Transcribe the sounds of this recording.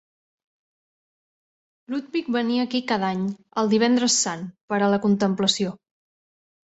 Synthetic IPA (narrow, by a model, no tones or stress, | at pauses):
lud̪̚bik̚bəniəːkikaðaɲ | əlˠd̪iβ̞ɛnd̪ɾəsːanpəɾələkunt̪əmpləsio